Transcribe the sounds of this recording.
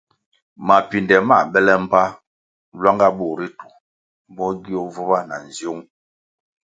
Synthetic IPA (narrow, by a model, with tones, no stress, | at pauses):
ma˨pi˨ndɛ˨ma˦˨bɛ˦lɛ˦m̩˦pa˦ | lwa˦ŋɡa˦bo˨ɾi˦tu˨ | bɔ˦ɡi˦o˦vo˦ba˦na˨n˨zjo˦ŋ